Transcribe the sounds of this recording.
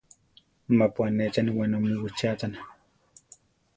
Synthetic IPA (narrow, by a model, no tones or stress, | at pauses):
mapwanet͡ʃanwanomiwit͡ʃat͡san